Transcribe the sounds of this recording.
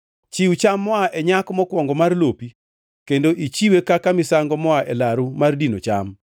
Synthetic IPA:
t͡ʃiut͡ʃamːɔaʔɛɲakmɔkwɔŋɡɔmarlopi | kendoʔit͡ʃiwekakamɪsaŋɡɔmɔaʔɛlaɾumardinot͡ʃam

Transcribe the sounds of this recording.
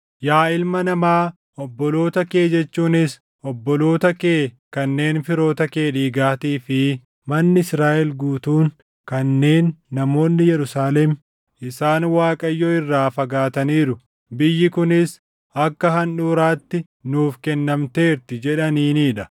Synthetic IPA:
jaːɪlmɐnɐmaː | ɔbːɔlo̞ːt̪ɐke̞ːd͡ʒɛt͡ʃːuːnɪs | ɔbːɔlo̞ːt̪ɐke̞ː | kɐnːe̞ːnfɪɾo̞ːt̪ɐke̞ːᶑiːɡaːt̪iːfɪ | mɐnːɪɪsɾaːʔɛlɡuːt̪uːn | kɐnːe̞ːnːɐmo̞ːnːɪjɛɾʊsaːlɛm | ʔɪsaːnwaːkʼɐjːɔɪrːaːfɐɡaːt̪ɐniːɾʊ | bɪjːɪkʊnɪs | ɐkːɐɦɐnᶑuːɾaːt̪ːɪ | nuːfkɛnːɐmt̪e̞ːɾt̪ɪd͡ʒɛᶑɐniːniːᶑɐ

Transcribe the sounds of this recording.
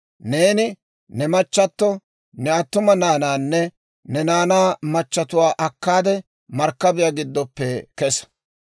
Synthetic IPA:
ne̞ːnɪ | nɛmɐt͡ʃːɐt̪ːɔ | nɛɐt̪ːʊmɐnaːnaːnːɛ | nɛnaːnaːmɐt͡ʃːɐt̪ʊwaːʔɐkːaːd̪ɛ | mɐɾkːɐbɪjaɡɪd̪ːɔpːɛkɛs

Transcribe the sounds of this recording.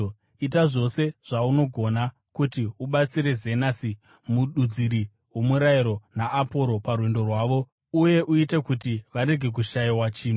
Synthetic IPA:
it̬aʐo̞se̞ʐ̥auno̞ɡʱo̞na | kutiuɓat͡siɾe̞zenasi | muɗud͡ziɾi | wo̞muɾaiɾo̞naʔːpo̞ɾo̞parwendo̞rwaːʋo̞ | uje̞ʔuite̞kutiʋaɾe̞ɡʱe̞k̬uʃaiwat͡ʃiːnu

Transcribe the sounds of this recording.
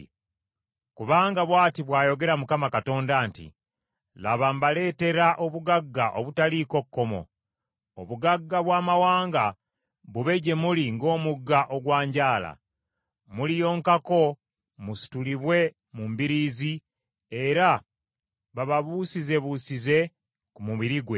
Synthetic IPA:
kuβaːŋɡaβwaːtiβwaːjo̞ɡe̞ɾamukamakato̞ːndaːntḭ | laβambale̞ːte̞ɾaʔo̞βuɡaɡːaʔo̞βutaliko̞kːo̞mo̞̰ | oβuɡaɡːaβwaːmawaːŋɡa | βuβe̞ɟe̞muliŋɡo̞ːmuɡːaʔo̞ɡwaːɲɟaːla̰ | mulijo̞ːŋkako̞ | musi̥tuliβwe̞ | mumbiɾiːzi | e̞ɾa | βaβaβusize̞βusize̞ | kumuβiɾiɡwe̞

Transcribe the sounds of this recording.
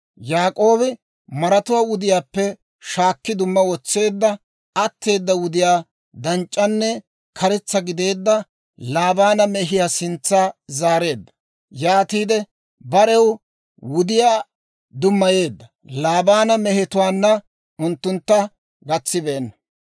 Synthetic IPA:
jaːkʼo̞ːbɪ | mɐɾɐt̪ʊwaːwʊd̪ɪjaːpːɛ | ʃaːkːɪd̪ʊmːɐwɔt͡sːe̞ːd̪ːɐ | ɐt̪ːe̞ːd̪ːɐwʊd̪ɪjaː | d̪ɐnt͡ʃʼːɐnːɛ | kʰɐɾɛt͡sːɐɡɪd̪e̞ːd̪ːɐ | laːbaːnɐmɛɦɪjasɪnt͡sːaːzaːɾe̞ːd̪ːɐ̥ | jaːt̪iːd̪ɛ | bɐɾɛw | wʊd̪ɪjaː | d̪ʊmːɐje̞ːd̪ːɐ | laːbaːnɐmɛhɛt̪ʊwaːnːɐ | ʊnt̪ːʊnt̪ːɐ | ɡɐt͡sːɪbeːnːɐ

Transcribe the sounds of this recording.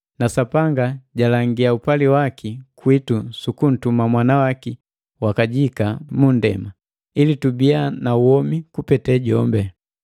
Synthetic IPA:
nasapaŋɡaɟalaŋɡiaupaliwakikwitusukun̩tumamwanawaki | wakaɟikamundɛ̰ma | ilitubianauwɔmikupɛtɛɟɔmbɛ

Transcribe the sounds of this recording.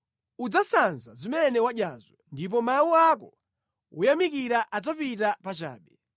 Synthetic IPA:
ud͡zasanzazimɛnɛwaɗjazɔndip̬ɔmawuakɔ | ṵjamikiɾaʔad͡zapitapat͡ʃa̰ːɓɛ

